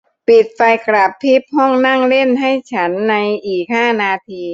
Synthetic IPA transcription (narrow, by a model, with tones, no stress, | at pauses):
pi˨˩t̪̚fa˧jkɾa˨˩pʰːi˦˥p̚hɔ˥˩ŋna˥˩ŋle˥˩nɦa˥˩jt͡ɕʰa˦˥nːa˧jʔiː˨˩k̚haː˥˩naː˧t̪ʰiː˧